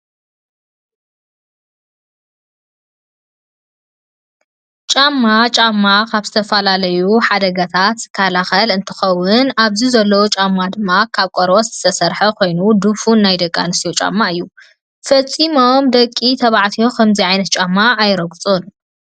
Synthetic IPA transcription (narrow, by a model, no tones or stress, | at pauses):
t͡ʃʼamːat͡ʃʼamːakʰaβzɨt̪ʰɐfɐlalɐjuħad̪ɐɡɐt̪ʰat̪kʰalaxɐlɨnt̪ʰɨ̥xɐwʊnaβzizɐlːɐwot͡ʃʼamːad̪ɨmːakʰaβkʼoɾwosz̥ɨ̥t̪ʰɐsɐɾħɐkʰo̞jnud̪ufunːajd̪ɐkʼːa̰nɨst̪ijot͡ʃʼa̰mːaɨjːu | fɐt͡sʼimomd̪ɐkʼːit̪ʰɐβaʕt̪ʰijo̞kʰɐmziʕajnɐt̪̚t͡ʃʼamːaːjɾɐɡt͡sʼon